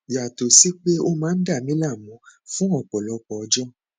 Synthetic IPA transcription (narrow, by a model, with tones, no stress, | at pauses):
ja˨to˨si˨˦k͡pe˦o˧mãː˨˦n̩˦da˦˨mĩ˨˦la˦˨mɔ̃˨˦fũ˦ɔ˦˨k͡pɔ˨lɔ˨˧k͡pɔ˨ɔ˧˦d͡ʒɔ˦